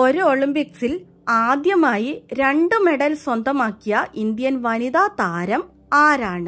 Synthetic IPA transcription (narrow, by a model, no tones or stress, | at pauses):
o̞ɾuoɭimpiksil | aːd̪jɐmaːjiɾe̞ɳɖɨme̞ɽɐlswɐnd̪ʱɐmaːkːijɐʔind̪jɐnʋɐnid̪aːt̪aːɾɐm | aːɾaːɳɨ